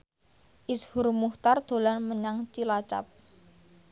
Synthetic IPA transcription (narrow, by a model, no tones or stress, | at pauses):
ʔishʊrmuht̪ard̪̥o̤lanməɲaŋt͡ʃilat͡ʃa̰p̚